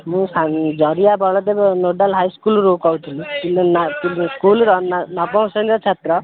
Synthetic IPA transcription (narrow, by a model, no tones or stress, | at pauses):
mũsad͡zɔɾijabʱɔɭɔt̪ebnoɖalɦajskulɾokɔwt̪ʰilit̪ilnt̪ilskulɾɔnnɔpɔ̃wsəɳɾɔt͡ʃʰat̪ɾɔ